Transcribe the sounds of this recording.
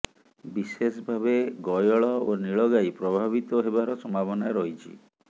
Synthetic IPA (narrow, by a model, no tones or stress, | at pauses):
bisesɔbʱabeɡɔjɔɭɔoniɭɔɡajpɾɔbʱaβit̪ɔɦebaɾɔsɔmabɔnaɾɔɦit͡ʃʰḭ